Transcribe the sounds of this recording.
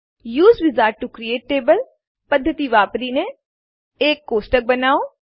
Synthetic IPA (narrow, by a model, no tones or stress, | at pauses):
juːzʋɪzaːɾʈ̚ʈukɾieːʈ̚ːeːbəl | pəd̪ʱːət̪iːʋaːpɾiːneː | eːkːoːsʈək̚bənaːoː